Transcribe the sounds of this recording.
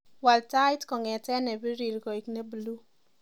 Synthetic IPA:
wa˨lta˦ɪ˦tkɔ˨ŋɛ˨tɛ˦nɛ˨bi˦ɾi˨ɾɡɔ˨i˨kne˦blu˦

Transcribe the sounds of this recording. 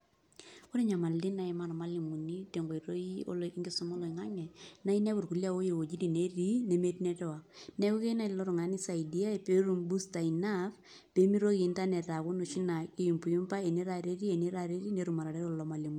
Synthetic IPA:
ko˦ɾe˦ɲa˨ma˨ldi˦na˨i˨ma˨ɾma˦li˨mu˨ni˦te˨ŋɡo˨i˨ɾo˦i˦o̰˦lɔ˨i˦ŋɡe˦sʊ˦mɔ˦lɔ˨i˨ŋa˦ŋɛ˨na˦i˦nɛ˦bu˨ɾku˨lja˦o˦je˨wo˨d͡ʒi˦ti˨ne˦ɾi˦ne˨me˦ti˦nɛ˦tɛ˦wa˨k̚nɛ˦ku˦ke˦na˦i˨lɔ˦ɾu˨ŋa˦ni˦sa˨i˨di˦a˦e˨pe˦ɾu˨mbu˦sta˨i˨na˦f | pe˨˦mi˦ɾo˦ki˨˦nta˦nɛ˨ta˨ku˦no˨ʃi˦na˨e˦i˨mpu˨ju˦mpa˦e˨ni˦ɾa˨ɾe˦ɾi˦e˨ni˦ɾa˨ɾe˦ɾi˦ne˨ɾu˨ma˨ɾa˨ɾɛ˦ɾɔlɔ˨ma˨li˨mu˨

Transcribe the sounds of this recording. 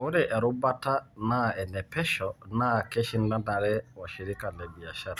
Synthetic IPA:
ʊ˦ɾɛ˦ʔɛ˨ɾʊ˦ba˦ta˦na˦ɛ˨nɛ˨pɛ˦ʃɔ˨na˦kɛ˦ʃɪ˦nda˦da˨ɾɛ˦wa˨ʃi˨ɾɪ˦ka˨lɛ˨bi˨a˨ʃa˦ɾa

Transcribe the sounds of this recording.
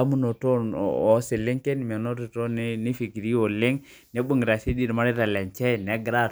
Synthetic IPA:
a˦mu˦no˨to̰˦˨ɔ˨˦se˨lɪ˦ŋke˦n˨m˨ɛ˨no˦ɾi˨to˦n˦ni˦fi˨ki˨ɾi˦o˨le˦ŋ | nɛ˨˦bu˦˨ŋ˨ɾa˨si˦di˦˨ɾma˦ɾi˦ɾa˨lɛ˨nt͡ʃɛ˦˨nɛ˨˦ɡɾa˦˨

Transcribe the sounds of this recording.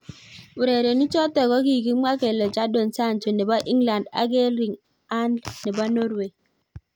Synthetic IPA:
u˨ɾe˨ɾe˨ni˦t͡ʃɔ˦tɛ˨kɔ˦ki˦˨ɡi˦m˦a˦ke˨lɔ˨t͡ʃa˦do˨nsa˦˨nt͡ʃo˨nɛ˨ba˦ʔi˦ŋla˨nda̰˨˦ɡe˦lɾi˨ŋ | a˦ndnɛ˨ba˦no˦ɾwe˨

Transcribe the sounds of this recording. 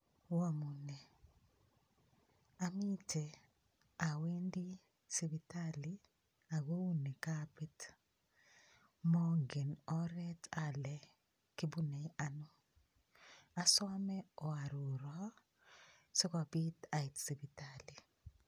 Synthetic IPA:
wa˦mu˨ne˨ | ami˦te˨ | a˨we˦ndi˦ | si˨bi˨tali | a˨ɡo˦wu˦ne˨kapi˦t | mɔ˦ŋɡe˨nɔ˦ɾɛ˦ta˨lɛ | ki˦bune˨ja˨nɔ˦ | a˨sɔ˦mɛ˦ɔ˨a˨ɾu˨ɾɔ˦ | sɔ˦kɔ˨bi˦ta˨i˨tsi˨bitali˨

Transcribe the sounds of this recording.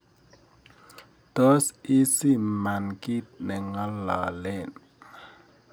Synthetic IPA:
to˦si˦si˦ma˨nki˦t̚nɛ˨ŋɔ˦lːɔ̰˨lɛ˦˨n

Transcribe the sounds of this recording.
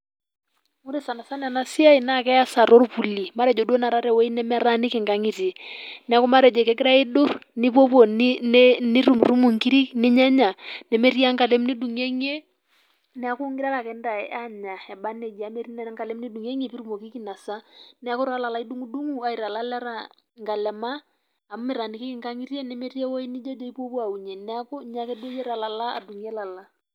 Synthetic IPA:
mo˦ɾe˨sa˨na˨sa˦nɛ˨a˨na˨si˦a˦i˨na˦˨kɛ˦ja˦sa˨ɾo˦ɾpu˨li˨ma˦ɾɛ˨d͡ʒɔ˨dɔ˦na˨ɾa˦ɾɛ˨wɛ˦i˦nɛ˦mɛ˦ɾa˦nɪ˦kɪ˨ŋɡa˨ŋi˨ti˨nɛ˨a˨kɔ˦ma˦ɾɛ˨d͡ʒɛ˨kɛ˦kɪ˦ɾa˦i˦ɗo˦nɪ˦pɔ˦pɔ˨nnnɪ˦ɾu˦mru˦mu˨ŋki˦ɾi˦nɪ˦ɲɛ˦ɲa˨nɛ˨mɛ˦ɾi˦a˦ŋka˨lɛ˦mnɪ˦du˨ŋɛ˦ŋe˦ | nɛ˦a˦ku˦ŋɡɪ˦ɾa˦ɾa˨kɛ˨˦nda˨˦a˦ɲa˨ɛ˨ba˦ne˨d͡ʒa˨˦me˨˦ɾi˦nɛ˦ŋka˨le˦mni˦du˨ŋe˦ŋe˨pi˦ɾu˦mo˨ki˦ki˦˨na˨sa˦nɛ˦a˦kʊ˦ɾa˦la˨la˨i˦du˦ŋu˦du˦ŋu˨a˨i˨ɾa˨la˦lɛ˦ɾa˨ | ŋɡa˨lɛ˨ma˦ | a˨m˦mɪ˨ɾa˨ni˨ki˦ki˦ŋka˦ŋi˦ɾje˦nɛ˨˦me˦ɾi˦e˦wo˦i˦ni˦d͡ʒe˦d͡ʒo˦i˦pwo˦pa˨u˨ɲe˨nɛ˦a˦ko˦ɲa˦kɛ˦du˦o˦jɛ˦ɾa˨la˨la˦a̰˨du˨ŋ˦e˦la˨la˦

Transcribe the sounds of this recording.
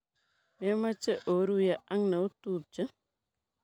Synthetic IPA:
mɛ˦ma˦t͡ʃə˦ʔo˨ɾu˦ja˨ʔa˦ŋnə˨u˦t̪u˦˨p̚t͡ʃə˦

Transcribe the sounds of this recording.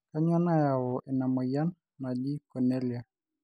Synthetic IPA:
ka˦ɲwa˦na˦ja˨wɔ˨ʔɛ˨na˨mɔ˨ja˦nː | a˨d͡ʒi˦kɔ˨nɛ˦lia˨

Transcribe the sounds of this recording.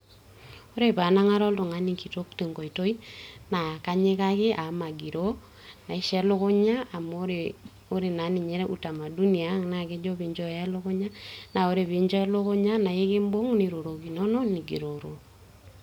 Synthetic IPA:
o˦ɾe˦pa˨na˦ŋa˦ɾɔ˦lto˨ŋa˦niki˨to˦kte˨ŋɡo˨i˨to˦i˦na˨ka˦ɲe˦ka˦kɪ˦ʔa˨ma˨ɡi˨ɾo˦ | na˨i˦ʃɛ˦lo˦kʊ˦ɲa˦a˨moɾ | o˦ɾe˨na˨˦nɪ˨ɲɛ˦ɾɛ˦ʔu˨ta˨ma˨du˦ni˨a˨˦ŋna˨ke˦d͡ʒo˦pi˨ɲd͡ʒɔ˦˨ja˦lo˦kʊ˦ɲa˦na˨o˦ɾe˨βi˨ɲd͡ʒɔ˦lo˦ko˦ɲa˦na˨je˦ke˦mbo˦ŋni˨ɾo˨ɾo˨ki˨nɔ˦nɔ˦ni˨ɡi˨ɾo˨ɾo˨

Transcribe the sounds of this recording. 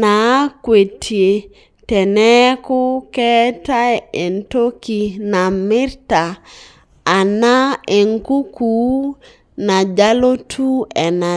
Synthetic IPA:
na˨˦kwe˨tʰi˨e˨ | tɛ˨nɛ˦ko˦kɛ˦ta˦je˨nto˦ki˨na˨mi˦ɾtaː˨ | na˦e˨ŋku˦kuː˦ | na˨d͡ʒa˦lo˦tʰu˦ɛ˨na˨

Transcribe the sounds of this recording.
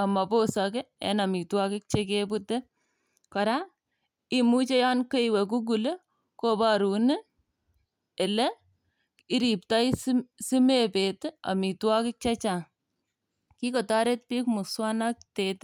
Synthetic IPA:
a˨ma˨po˦sakɛ˦ɛ̰na˨mi˨twa˦kɪ˦k̚t͡ʃekebu˦te˦ | kɔ˨ɾa˦ | i˦mu˦t͡ʃe˦ja˦nke˦iwɛ˨k̬u˦ɡ̬u˨le˦ | ko˦baɾu˨ne˦ | e˨lɛ˦ | i˦ɾi˨p̚ta˦jssi˦me˦pe˨te˦a̰˨mi˨twa˦kɪ˦k̚t͡ʃa˦t͡ʃa˨ | ki˦kɔ˨ta˦ɾe˦t̚pi˦kmu˨swa˦na˦k̚tet

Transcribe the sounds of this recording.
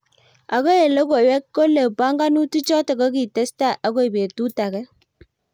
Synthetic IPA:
a˨ko˦e˨le˦ko˨wɛ˦kːo˦le˨pa˦ŋɡa˦nu˦tu˦t͡ʃɔ˦te˨ko˦ki˨te˦sta˦˨ʔa˨˦ko˦i˨be˨tu˦ta˨kɛ˦

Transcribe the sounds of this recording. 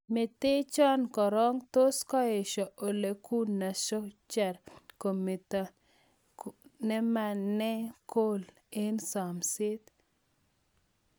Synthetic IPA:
mɪ˨t̪ɪ˦t͡ʃɔ˦nkɔ˨ɾɔ˦ŋt̪o˦skɔ˦e˨ʃɔ˨ʔo˨le˨ku˦nːa˨ʃɔ˦t͡ʃɛ˨ɾko˨mi˨t̪ | nɛ˦ma˨nːɛ˦ko˦l | e˦nsa˨msɪ˦t̪

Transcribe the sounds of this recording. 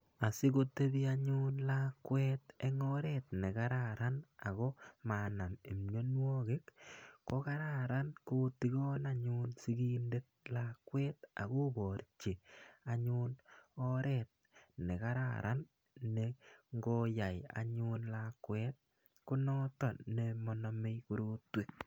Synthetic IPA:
a˨si˦ko˦t̪e˦bi˦aɲunlakwɛt̪e˦ŋɔ˦ɾɛt̪ne˨ka˦ɾaɾa˦na˨ɣo˦ma˨na˨mi˨mɲo˦nwɔ˦ke˦kːo˦ka˦ɾaɾa˦nko˦ti˦ɡo˦na˦ɲu˦nsi˦ɡi˦nde˦t̪̚la˦kwɛːt̪a˨ɣo˦bɔ˨ɾt͡ʃi˨a˦ɲunɔɾɛt̚ | ne˨ka˦ɾa̰˨ɾʔa̰˦n | neŋɡɔ˦ja˨ja̰˨ɲunlakwɛt̪̚ | kʊ˦nɔ˦tɔ˨nne˨mɔ˨na˨me˦jku˦ɾu˦twe˦k̚

